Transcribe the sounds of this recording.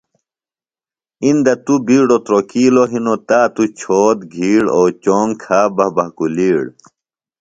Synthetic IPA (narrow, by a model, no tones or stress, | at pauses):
ind̪ɐt̪ubiːɽot̪ɾokiːloɦinot̪aːt̪ut͡ɕʰoːt̪̚ɡʱiːɽoːt͡ɕoːŋɡkʰaːbɐbɐkuliːɽ